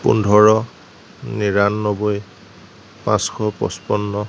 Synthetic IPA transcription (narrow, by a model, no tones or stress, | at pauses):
pṵndʱɔɹɔ | niɹanːɔboj | pãskʰɔpɔ̰spɔnːɔ